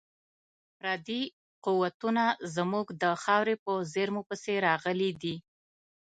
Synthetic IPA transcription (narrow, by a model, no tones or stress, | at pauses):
fɾɑd̪i | quwat̪unazmuɡd̪əxɑwɾepəzeɾmopəseɾɑɣəlid̪i